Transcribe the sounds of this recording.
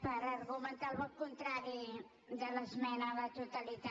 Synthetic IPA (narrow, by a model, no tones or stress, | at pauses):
pəɾɐrɣumənt̪alβəkunt̪ɾaɾi | d̪əlɐsmɛnalat̪ut̪alit̪a